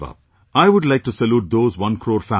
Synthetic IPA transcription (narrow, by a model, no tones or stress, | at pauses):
ʌ̰p̚ | aɪʋʊɖlaɪk̚ʈusəluːʈ̚d̪oːzʋʌ̃nkʰɾoːɾfæ